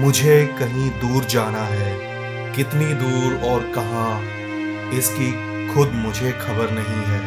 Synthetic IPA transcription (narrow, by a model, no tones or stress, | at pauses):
mʊd͡ʒʱekɐɦĩd̪uːɾd͡ʒaːnaɦɛː | kɪt̪nid̪uːɾɔːɾkɐɦã | ɪski | xʊd̪mʊd͡ʒʱexʰɐbəɾnɐɦĩɦɛː